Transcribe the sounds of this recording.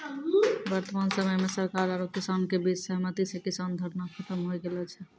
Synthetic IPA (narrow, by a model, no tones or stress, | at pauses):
ʋəɾt̪əmansəməjmesəɾkaɾaɾokisankebid͡ʒsəɦmət̪it͡ʃʰɛkisand̪ʱəɾnakʰət̪əmɦojɡelɛt͡ʃʰɛ